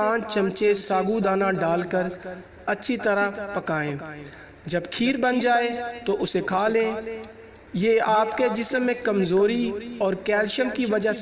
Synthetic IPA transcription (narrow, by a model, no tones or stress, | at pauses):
ãːt͡ʃt͡ʃəmt͡ʃesaːɡud̪aːnaɖaːlkəɾ | ɐtːʃʰit̪əɾapɐkaːẽː | d͡ʒɐbkʰiːɾbənd͡ʒaːet̪oʔʊsekʰaːlẽː | jeːaːpked͡ʒɪsəmːẽkɐmzoːɾiɔːɾkɛːlʃəmkiʋɐd͡ʒa